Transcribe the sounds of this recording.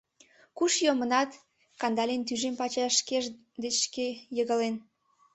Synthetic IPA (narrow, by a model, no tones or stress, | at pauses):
kuʃjomənɑt̪ | kɑnd̪ɑlʲent̪yʒempɑt͡ɕɑʃkeʒ | d̪eʃkejəɣəlen